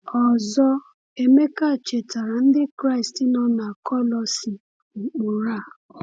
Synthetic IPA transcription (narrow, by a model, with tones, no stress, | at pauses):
ɔ˨zɔ˦ | e˨me˦ka˦˨t͡ʃe˨ta˨ɾa˨n̩˦dɪ˦kɾa˦i˨sti˦nɔ̃˦na˨kʰɔ˦lɔ˧si˨ | ŋ͡m̩˨k͡po˨ɾa˦˨